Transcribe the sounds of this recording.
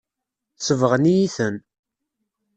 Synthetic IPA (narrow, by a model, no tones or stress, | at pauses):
səvəʁnijiθən